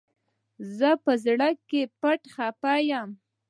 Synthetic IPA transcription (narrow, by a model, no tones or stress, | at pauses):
zəpəzɽəkːepaʈxapɑjam